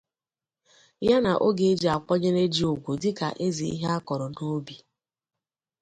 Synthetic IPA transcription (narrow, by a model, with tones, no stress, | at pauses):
ja˦na˨ʔo˦ɡe˨e˦d͡ʒi˨a˨k͡pɔ˦ɲe˦ɾe˦d͡ʒi˦o˨ɡʷo˨dɪ˦ka̰˨ʔe˦zi˨ḭ˦ɦa˦kɔ˨ɾɔ˨no˦bi˨